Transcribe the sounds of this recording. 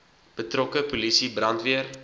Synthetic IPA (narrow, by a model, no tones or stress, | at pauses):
b̥ətrɔkəpolisibrɐntviər